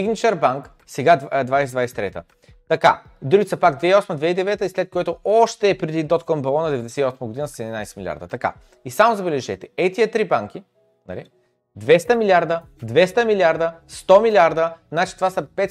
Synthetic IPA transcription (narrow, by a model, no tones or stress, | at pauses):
iɡnit͡ʃɛɾbaŋk | sɛɡad̪vajsɛd̪vajsɛ̥t̪ɾɛt̪ə̰ | t̪ɐka̰ | d̪ɾuɡit̪sɐpaɡd̪vɛiɔsməd̪vɛid̪ɛvɛt̪əislɛt̪̚kojɛt̪oɔʃt̪ɛːpɾɛd̪id̪ɔt̪kɔmbɛlˠɔnɐd̪ɛvɛd̪ɛsɛiɔsməɡod̪inəsɛd̪ʲinajsɛ̥milʲia̰ɾd̪ət̪ɐka̰ | isamozɐbɛlɛʒɛt̪ɛ̥ɛt̪iət̪ɾibaŋk̟i | nɐ̰lḭ | d̪vɛst̪əmilʲiaɾd̪ə | d̪vɛst̪əmilʲiaɾd̪əst̪ɔmilʲiaɾd̪ənat͡ʃi̥t̪ovasɐpɛt̪